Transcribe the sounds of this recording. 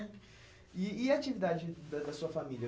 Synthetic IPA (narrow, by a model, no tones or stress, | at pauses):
iːat͡ʃivid̪ad͡ʒɪd̪ɐd̪ɐsuɐfamiljɐ